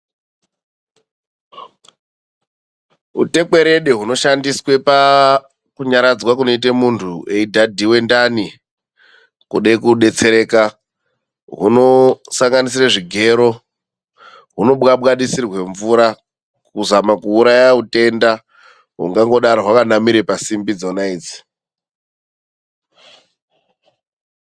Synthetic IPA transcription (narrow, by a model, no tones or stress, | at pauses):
ṵte̞k͡pe̞ɾe̞ɗeɦuno̞ʃandiswe̞pa | kuɲaɾad͡zwakuno̞itemuntʰue̞idʱadʱiwe̞ndani | kuɗaikuɗe̞t͡se̞ɾeːka | ɦṵno̞saŋɡanis̬iraʐiɡʱe̞ɾo̞ | ɦuno̞ɓɣaɓɣaɗisirwe̞ɱvuɾa | kuzamakuːɾajaute̞nda | ɦṵŋɡaŋɡo̞ɗaɾoɦwakanamiɾepasimbid͡zonaiːd͡zi̥